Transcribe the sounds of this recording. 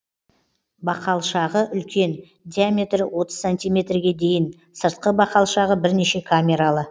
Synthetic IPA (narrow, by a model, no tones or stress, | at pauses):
bɑqɑlˠʃɑʁəʔʏlkʲʰe̞n | d̪ʲijamʲe̞t̪rɪwʔo̞t̪ə̥zsanʲt̪ijmʲe̞t̪rɡʲe̞d̪e̞jɪn | səɾt̪̚qəbɑqɑlˠʃɑʁəbɪɾne̞ʃe̞kʰamʲe̞ɾalˠə